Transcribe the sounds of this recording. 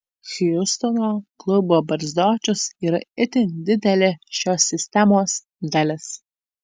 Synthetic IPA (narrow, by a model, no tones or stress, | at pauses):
xʲjʊst̪ɔnoːklˠʊboːbɐɾʲzʲd̪oːt͡ʃʲʊsiɾɐɪt̪ʲɪnʲd̪ʲɪd̪ʲɛlʲɪʃʲoːsʲːɪsʲt̪ʲɛmoːs | d̪ɐlʲɪs